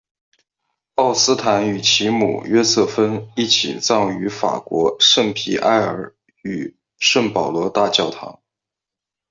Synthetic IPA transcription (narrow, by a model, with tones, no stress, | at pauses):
ɑ˥˩ʊsɹ̩˥t̪ʰa˧˥ny˨˩t͡ɕʰi˧˥mṵ˨˩ɥɛ˥sɤ˥˩fə˥ni˥˩t͡ɕʰḭ˨˩t͡sɑ˥˩ŋy˧˥fa̰˨˩kwɔ˧˥ʂə˥˩ŋpʰi˨˩ʔa˥˩ɪə̰˞˧˩˥ | y˨˩ | ʂə˥˩ŋpɑ˨˩ʊlwɔ˧˥t̪a˥˧t͡ɕjɑ˥˩ʊt̪ʰɑ̰˧˥ŋ